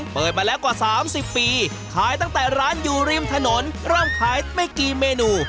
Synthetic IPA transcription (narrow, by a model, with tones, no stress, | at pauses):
pɤː˨˩t̪̚maː˧lɛː˦˥wkwaː˨˩saː˩˦msi˨˩pːiː˧ | kʰaː˨˩˦jt̪a˥˩ŋt̪ɛː˨˩ɾaː˦˥njuː˧˩ɾiː˧mt̪ʰa˧no˩˦nɾɤː˥˩mkʰaː˨˦jma˥˩jkiː˨˩meː˧nuː˧